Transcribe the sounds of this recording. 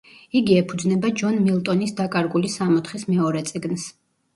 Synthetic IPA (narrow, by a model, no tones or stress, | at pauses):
iɡiɛpʰud̪znɛbad͡ʒɔnmilˠt̪ʼɔnisd̪akʼaɾɡulisamɔt̪χismɛɔɾɛt̪sʼiɡns